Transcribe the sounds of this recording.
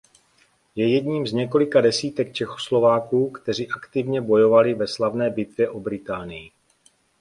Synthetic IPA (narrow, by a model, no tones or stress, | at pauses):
jɛjɛdɲiːmzɲɛko̞lɪkadɛsiːt̪ɛkt͡ʃɛxo̥slo̞vaːkuːkt̪ɛr̝iʔakt̪ɪvɲɛbo̞jo̞valɪvɛslavnɛːbɪt̪vjɛʔobɾɪt̪aːnɪjɪ